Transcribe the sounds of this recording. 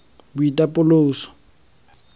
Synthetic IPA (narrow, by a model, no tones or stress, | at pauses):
bʊitʼapʼʊloːsɔ̥